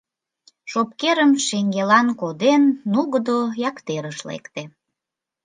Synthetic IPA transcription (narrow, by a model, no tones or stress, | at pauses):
ʃop̚keɾəmʃeŋɡelɑnkod̪enːuɣəd̪ojɑkt̪eɾəʃlḛkt̪e